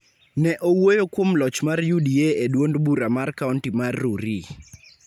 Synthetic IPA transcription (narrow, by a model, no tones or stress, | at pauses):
nɛʔowojokwomlɔt͡ʃmarjudieedwondbuɾamarkauntimarːuɾi